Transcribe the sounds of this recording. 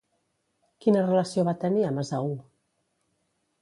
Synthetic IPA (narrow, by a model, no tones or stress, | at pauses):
kinərələsioβat̪əniəməzau